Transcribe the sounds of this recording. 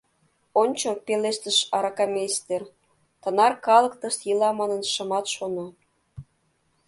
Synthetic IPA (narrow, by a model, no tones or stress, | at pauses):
onʲt͡ɕopeleʃt̪əʃɑɾɑkɑmʲest̪er | t̪ənɑrkɑlˠə̆kt̪ə̆ʃt̪jilɑmɑnənʃə̆mɑt̪ʃono